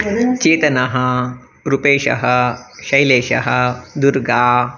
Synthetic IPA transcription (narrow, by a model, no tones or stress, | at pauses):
t͡ʃeːt̪ɐnɐɦɐ̆ | ɾupeːʃɐ̰ɦɐʃɐjleːʃɐ̰ɦɐd̪uɾɡaː